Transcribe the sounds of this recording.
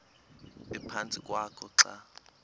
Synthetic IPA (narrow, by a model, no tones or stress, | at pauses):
ɛpʰant͡sʼikʼwakʰɔǁa